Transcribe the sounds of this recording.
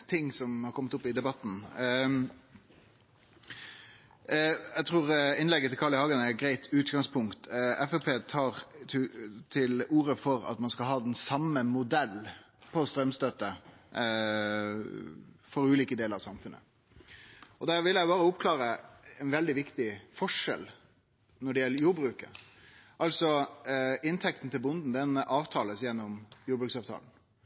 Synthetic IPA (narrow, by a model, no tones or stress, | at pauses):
t̪ʰɪŋːsɔmhɑɾkʰɔmːət̪ʊpːɪd̪ɛbɑt̪ːn̩ | æt̪ʰʁuːɾɪnlɛɡːət̪ʰɪlkʰɑːlɭɪhɑːɡənæɡɾæɪt̪ʰʉːt̪ɡɑŋspʰʊŋkt̪ɛfɛpʰeːt̪ʰɑːʁ | t̪ʰɪluːɾəfɔɾɑ̰t̪mɑnskɑlɦɑːd̪ɛnsɑmːəmʊd̪ɛlː | pʰɔst̪ɾœmst̪øt̪ə | fɔɾʉːliːkəd̪eːləɾɑʋsɑmfʉnə̰ | ɔd̪æɾʋɪljæɪbɑːɾəʊpkʰlɑːɾəɛnʋɛld̪ɪʋɪkt̪ɪfɔʂɛ̰l | nɔɖɛjɛlːəɾjuːɾbɾʉːkəɾʔɑlsɔ | ɪnt̪ʰɛk̚t̪n̩t̪ʰɪlbʊnd̪n̩d̪ɛnɑːʋt̪ʰɑːləsjɛnːɔmjuːɾbɾʉːksɑːʋt̪ʰɑ̰ːln̩